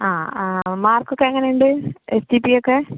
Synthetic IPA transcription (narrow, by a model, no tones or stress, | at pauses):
aːmaːrkːokːeɐŋːɐnejuɳɖɨesʈipːijokːe̞